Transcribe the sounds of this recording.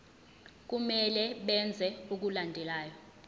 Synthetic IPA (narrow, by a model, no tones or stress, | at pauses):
k̬umɛlɛɓɛnd͡zʱɛuk̬ulandʱɛlaːjɔ